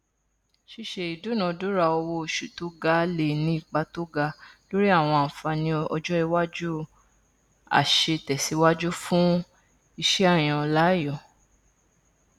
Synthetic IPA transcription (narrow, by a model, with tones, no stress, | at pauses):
ʃi˧ʃe˧i˨du˨˦nã˨˧du˦ɾa˧˨o˧wo˧˦˨ʃu˨tu˦ɡa˧˦le˨nĩ˨˦i˦˨k͡pa˧to˦ɡa˧˦lo˦ɾi˦a˦˨w̃ɔ̃˧a˨fa˧nĩ˧˦ɔ̰˧d͡ʒɔ˦i˧wa˦d͡ʒu˦ | a̰˨ʃe˧tɛ˨si˨˦wa˦d͡ʒu˦fũ˦ | i˧ʃɛ˦a˦˨j̃ɔ̃˧˨la˨˦jɔ˦˨